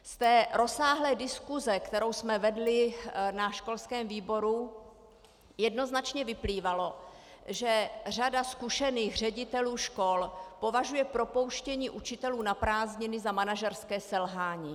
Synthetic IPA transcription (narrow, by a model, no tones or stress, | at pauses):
st̪ɛːɾo̞saːɦlɛːdɪskuzɛkt̪ɛɾo̞wsmɛvɛdlɪnaʃko̞lskɛːmviːbo̞ɾu | jɛdno̞znat͡ʃɲɛvɪpliːvalo̞ | ʒɛr̝adaskuʃɛniːxr̝ɛɟɪt̪ɛluːʃko̞lpo̞vaʒujɛpɾo̞po̞wʃcɛɲiːʔut͡ʃɪt̪ɛluːnapɾaːzɲɪnɪzamanaʒɛɾskɛːsɛlɦaːɲiː